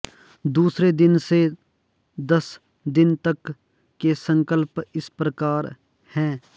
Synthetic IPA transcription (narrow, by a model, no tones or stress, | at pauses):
d̪uːsɾed̪ɪnse | d̪ɐs | d̪ɪnt̪ɐkː | esə̃ŋkəlpɪspɾəkaːɾ | hɛ̃ː